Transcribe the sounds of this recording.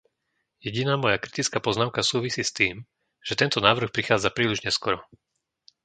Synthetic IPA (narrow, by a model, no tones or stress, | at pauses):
jɛɟinaːmɔjakɾit̪it͡skaːpɔznaʊkasuːʋisiːst̪iːm | ʒ̥ɛt̪ɛnt̪ɔnaːʋr̩xpɾixaːd͡zapɾiːliʒɲɛskɔɾɔ